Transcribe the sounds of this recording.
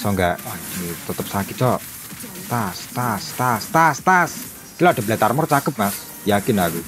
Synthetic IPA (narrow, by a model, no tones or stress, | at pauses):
sɔŋɡa̰ʔŋit̪ət̪əp̚sakit͡ʃɔʔ | t̪ast̪ast̪ast̪ast̪as | kilɔɖ̥ablat̪armɔrt͡ʃakəp̚mas | jakɪnaku